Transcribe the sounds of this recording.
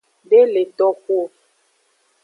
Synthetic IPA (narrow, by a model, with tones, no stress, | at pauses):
be˦le˨tɔ˦ko˦˨